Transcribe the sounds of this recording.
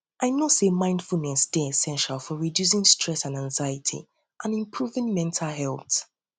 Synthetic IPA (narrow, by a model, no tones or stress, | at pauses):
ʔaɪnosemãɪ̃nd̥fulˠnɛsdɛɛsɛ̃nʃalˠfɔɹidjus̬ɪ̃ŋstʰɹɛsãnãnzajɪtʰḭ | ʔãnĩmpʰɹuvɪ̃ŋmɛ̃ntʰalˠɦɛlˠθ